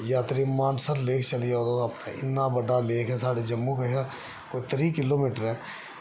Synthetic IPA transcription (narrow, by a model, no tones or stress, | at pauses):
jaːt̪ɾimãːnsəɾleːkʰt͡ʃəliaoːd̪oɐpnaʔɪ̰nːabəɖaleːkʰɛ̃ːsaːɽed͡ʒəmːukeɦa | kʊt̪ɾikɪloːmiːʈəɾɦɛ̃ː